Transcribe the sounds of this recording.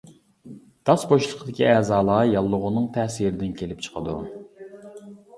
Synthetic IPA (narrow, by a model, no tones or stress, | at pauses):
d̪̥ɑsboʃlˠəqd̪ɪkʲʰiɛːzɑːlˠəʁjɑlˠːʊʁʊnɨŋt̪ʰɛhsiɾɪd̪ɪnkʲʰelɪp̚t͡ʃʰə̥qʰəd̪ṵ